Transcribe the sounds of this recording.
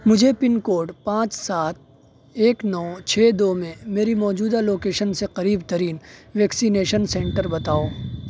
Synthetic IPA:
mʊd͡ʒʱepɪnkoːɖpãːt͡ʃsaːt̪̚ | eːknɔːt͡ʃʰeːd̪oːmẽmeːɾimɔːd͡ʒuːd̪aloːkeːʃənseqɐɾiːbt̪ɐɾiːnʋɛːksineːʃənsɛ̃ːɳʈəɾbɐt̪aːoː

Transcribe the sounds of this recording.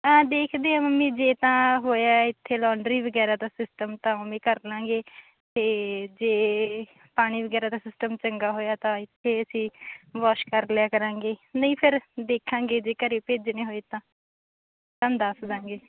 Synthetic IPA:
ãːd̪eːkʰd̪eːãːməmːĩːd͡ʒeːt̪ãːɦoːjaːɪt̪ʰːeːlɔːɳɖɾiːʋəɡɛːɾaːt̪ãːsɪsʈəmt̪ãːəmẽːkəɾlãːŋɡeː | t̪eːd͡ʒeː | paːɽ̃iːʋəɡɛːɾaːt̪ãːsɪsʈəmt͡ʃəŋɡaːɦoːjaːt̪ãːɪt̪ʰːeːəsĩːʋɔːʃkəɾlɪaːkəɾãːɡeːnəĩːpʰɪɾd̪eːkʰːãːŋɡeːd͡ʒeːkəɾeːpeːd͡ʒneːɦoːeːt̪ãː | t̪ãːd̪əsd̪ãːŋɡeː

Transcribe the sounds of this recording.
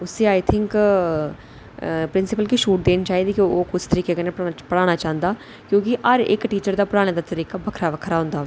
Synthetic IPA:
ʊsẽːaːjt̪ʰɪŋk | pɾɪnsɪpəlkiʃuːʈ̚d̪eːnt͡ʃaːɦiːd̪iːkoːkʊt͡ʃʰt̪əɾiːkeːkɛnepəɽaːɽ̃aːt͡ʃãːnd̪aː | kjõːkɪʔəɾɪ̰kʈiːt͡ʃəɾd̪aːpəɽaːɽ̃ẽːd̪aːt̪əɾiːkaːbəkʰɾaːʋəkʰɾaːɦʊ̃nd̪aː

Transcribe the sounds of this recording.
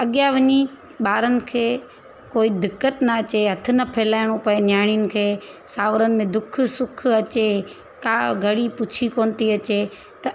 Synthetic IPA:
ɐɠjaʋɐɲi | ɓaːɾənɪ̆kʰeː | koːid̪ɪkːət̪nɐɐt͡ɕeɦɐt̪ʰɪ̆nɐpʰɐːlaːɪɽ̃opɐenjaːɽ̃ijʊnɪ̆kʰeːsaːʋɾənɪ̆mẽd̪ʊk̆ʰsʊkʰɐt͡ɕe | kaːɡʱɐɽipʊt͡ɕʰikoːnt̪iɐt͡ɕe | t̪ɐ

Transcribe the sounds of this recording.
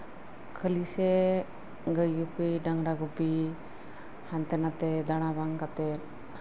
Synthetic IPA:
kʰəlisɛ | ɡəjupiɖaŋɾaɡupi | hant̪ɛnat̪ɛd̪aɽ̃abaŋkat̪ɛt

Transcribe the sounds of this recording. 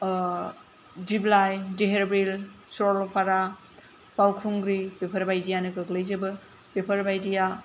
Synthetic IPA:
diblajdeɦeɾbɾilsɔlpʰaɾa | pawkʰuŋɡɾipepʰɐɾbajdijanɯkɯklɯjzɯbɯ | pepʰɐɾbajdija

